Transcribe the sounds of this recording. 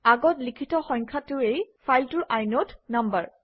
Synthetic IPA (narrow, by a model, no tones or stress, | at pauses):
aɡɔtlikʰitɔxɔjŋkʰatʊejpʰajltʊɹʔajnotnambəɹ